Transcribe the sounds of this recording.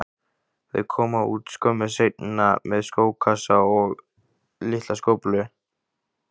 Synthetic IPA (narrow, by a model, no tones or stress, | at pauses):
ðɪ̰ðkʰɔːmaṵːt̪skœmːasejt̪̚nɪnamɛðskoːwkʰasaɔɣ | lɪht̪laskoːwplʏ